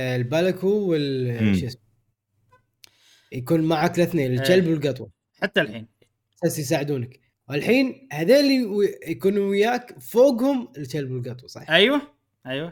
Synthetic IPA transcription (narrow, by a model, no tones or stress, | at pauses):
lbalakuwɪlʃes | jakuːnmaʕaklɪθneːnɪld͡ʒalbwɪlɡɑt̪ˤwɑ | ħat̪ːalħḭːn | sasjs̬aːʕɪd̪uːnak | walħiːnhaðeːlːijakuːnuwɪjaːkfoːɡhʊmɪld͡ʒalbwɪlɡɑt̪ˤwɑsˤɑ̰ʔajwa | ʔajwa